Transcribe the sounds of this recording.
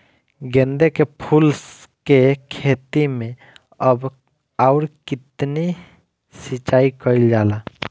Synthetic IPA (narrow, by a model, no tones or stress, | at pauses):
ɡẽnd̪ekepʰuls | kekʰeːt̪imẽ | əb | aʊɾkɪt̪ni | sit͡ʃaːikəild͡ʒaːlaː